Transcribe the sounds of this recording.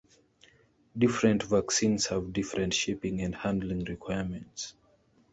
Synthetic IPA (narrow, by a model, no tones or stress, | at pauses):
difɹɛ̃ntvaksĩnshavdifɹɛ̃ntʃipĩŋɛ̃ndhãndl̩ĩŋɹikʰwajəmɛ̃nts